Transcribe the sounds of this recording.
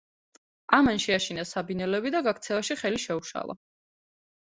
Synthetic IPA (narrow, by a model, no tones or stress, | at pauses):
amanʃɛaʃinasabinɛlɛbid̪aɡakʰt̪sʰɛvaʃiχɛliʃɛuʃa̰lˠa̰